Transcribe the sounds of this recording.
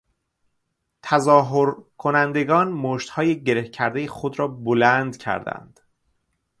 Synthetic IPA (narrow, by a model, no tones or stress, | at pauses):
t̪ʰæzɒːɦoɾkʰonænd̪e̞ɡɒːnmoːʃt̪hɒːjeɟeɾehcʰæɾd̪ejexod̪ɾɒːbolænd̪cʰæ̰ɾd̪æ̰nd̪̥